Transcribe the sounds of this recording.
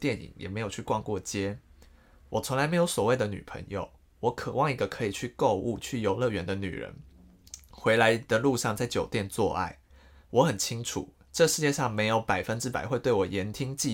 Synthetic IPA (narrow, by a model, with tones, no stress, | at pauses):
t̪jɛ˥˨nḭ˨˩˦ŋjʔɛ̰˨˩me˧˥ɪjo˨˩t͡ɕʰy˥˩kwɑ˥˧ŋkwɔ˥˩t͡ɕjɛ˥ | wɔ˨˩t͡sʰʊ˧˦ŋla˧ɪme˧˥ɪjo˧˥ʊswɔ˨˩we˥˩ɪd̪ə˩ny̰˨˩pʰə̰˧˥ŋjo̰˨˩ʊ | wɔ˧˥kʰɤ˨˩wɑ˥˨˩ŋi˧˥ɡə˧kʰɤ˧˦˥i˨˩t͡ɕʰy˥˧ko˥˧ʊʔu˥˧t͡ɕʰy˥˩jo˧˥ʊlɤ˥˨ɥɛ˧˥nd̪ə˨ny̰˨˩ɻə̰˧˦n | xwe˧˥ɪla˧˦ɪd̪ə˨lu˥˧ʂɑ˥˧ŋt͡sa˥˩ɪt͡ɕjo˨˩ʊt̪jɛ˥˧nt͡swɔ̰˥˧ʔa̰˥˩ɪ | wɔ˧˥xə˨˩nt͡ɕʰi˦ŋʈ͡ʂʰṵ˨˩˦ | ʈ͡ʂə˥˧ʂɻ̩˥˧t͡ɕjɛ˥˧ʂɑ˥˩ŋme˧˥ɪjo˧˥ʊpa˨˩ɪfə˦nʈ͡ʂɻ̩˦˥pa˨˩ɪxwe˥˧ɪt̪we˥˩ɪwɔ˨˩jɛ˨˧˥nt̪ʰi˦ŋt͡ɕi˥˧